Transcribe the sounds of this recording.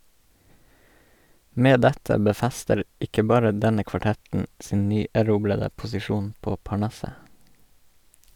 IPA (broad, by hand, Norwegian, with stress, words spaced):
ˈmeː ˈdɛtə bəˈfæstəɾ ˈɪkə ˈbɑːɾə ˈdɛnə kʋɑˈʈɛtn̩ ˈsiːn ˈnyːæˌɾuːblədə pʊsɪˈʃuːn ˈpoː pɑˈɳɑsə